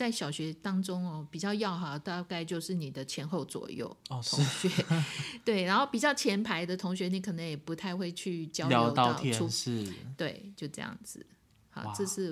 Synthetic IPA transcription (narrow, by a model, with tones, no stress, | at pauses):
t͡sa˥˩ɪɕjɑ˨˩ʊɕɥɛ˧˥t̪ɑ˥ŋʈ͡ʂʊ˥ŋɔ˧pi˨˩t͡ɕjɑ˥˧ʊjɑ˥˩ʊxɑ˨˩t̪a˥˧ka˥˧ɪt͡ɕjo˥˧ʊʂɻ̩˥˩ni˨˩d̪ə˦t͡ɕʰjɛ˧˥nxo˥˩ʊt͡swɔ̰˨˩jo̰˥˩ʊ˧ʊ˧˥˨ŋɕɥɛ˧˥t̪we˥˩ɪɻa˧˥nxo˥˩ʊpi˨˩t͡ɕjɑ˥˩ʊt͡ɕʰjɛ˧˥npʰa˧˥ɪd̪ə˨t̪ʰʊ˧˥ŋɕɥɛ˧˥ni˧˥kʰɤ˨˩nə˧˥ŋjɛ˨˩pu˧˥t̪ʰa˥˧ɪxwe˥˧ɪt͡ɕʰy˥˩t͡ɕjɑ˥ʊljɑ˥ɑ˧ʊ˥˧tʊjɛ˥˧u˥˩t̪we˥˩ɪt͡ɕjo˥˧ʊʈ͡ʂɤ˥˧jɑ̰˥˩ŋd͡zɹ̩˨˩ | xɑ̰˧˩ʈ͡ʂɤ˥˧ʂɻ̩˥˩